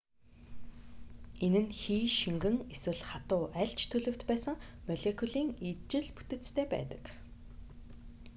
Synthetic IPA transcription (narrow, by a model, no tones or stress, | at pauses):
enɘ̆nxiːʃiŋɡɘ̆ŋeswɘ̆ɮχat̪ʊːʔæɬt͡ɕt̪ʰɵɮɵ̆w̥t̪pæːsə̆ŋmœɮʲekʰuɮiːŋit͡ɕɪ̆ɮpu̥t̪ɘ̆t͡st̪ʰeːpæ̰ːt̪ə̥̆k